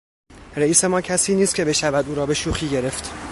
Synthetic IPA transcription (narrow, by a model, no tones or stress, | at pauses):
ɾeiːse̞mɒːcʰæsiːniːst̪cʲʰe̞be̞ʃævæd̪uːɾɒːbe̞ʃuːxiːɟe̞ɾe̞ft̪